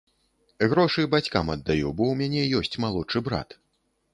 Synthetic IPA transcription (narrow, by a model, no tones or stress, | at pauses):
ɣɾɔʂɨbat͡sʲkamɐd̪ːajubɔwmʲanʲɛjɔsʲt͡sʲmalˠɔt͡ʂɨbɾa̰t̪